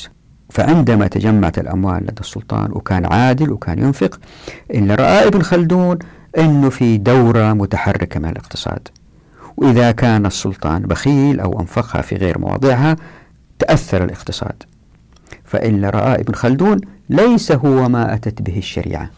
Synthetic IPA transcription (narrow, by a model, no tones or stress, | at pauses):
fa̰ʕɪnd̪amat̪ad͡ʒamːaʕat̪alʔa̰mwaːlːa̰d̪ɑsˤːʊlt̪ˤɑ̰ːnwɪkaːnʕaːd̪ɪlwɪkʰaːnjʊnfɪqʔɪlːaɾˤɑʔaːʔɪbɪnxald̪uːn | ʔɪnːufid̪awɾamʊt̪aħarːɪkamɪna̰lɪqt̪ɨ̥sˤɑ̰ːd̪̥ | wʔɪðakaːnɑsˤːʊlt̪ˤɑ̰ːnbaxiːlʔa̰wʔa̰nfɑqha̰fḭɣḛːɾmɑ̰wɑ̰ːd̪ˤɨʕɦa | t̪aʔaθːɑɾˤalʔɪqt̪ɨ̥sˤɑ̰ːd̪ | fa̰ʔɪlːaɾˤɑ̰ʔaːʔɪbnxald̪uːnlejsaɦʊwːamaʔat̪at̪bɪɦɪʃːa̰ɾḭːʕa̰